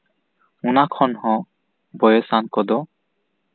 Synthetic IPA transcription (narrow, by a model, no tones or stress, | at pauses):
unakʰɔnhɔ̃ | bɔjɔsankɔd̪ɔ